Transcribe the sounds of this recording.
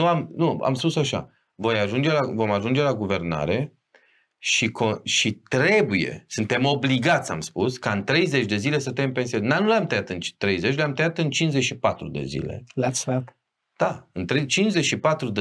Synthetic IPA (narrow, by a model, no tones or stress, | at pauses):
nuamnua̰mspusaʃa̰ | vo̞jaʒund͡ʒe̞lavo̞maʒund͡ʒe̞laɡuve̞rna̰ɾe̞ | ʃikʰoʃit̪ɾe̞buje̞̰sɨnt̪e̞mo̞bliɡat̪sʲa̰mspuskaɨnt̪ɾe̞jze̞t͡ʃʲd̪e̞zile̞sət̪empensionnanuleamt̪əjat̪ɨnt͡ʃi̥t̪ɾe̞jze̞t͡ʃleamt̪əjat̪ɨnt͡ʃinzeʃipat̪ɾud̪e̞̰zḭle̞̰lat̪sat̪ | d̪̥aɨnt̪ɾet͡ʃinze̞ʃipat̪ɾud̪e